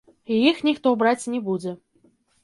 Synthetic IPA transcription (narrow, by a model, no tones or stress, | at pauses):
jixnʲixt̪ɔbɾat͡sʲnʲɛbud͡zʲɛ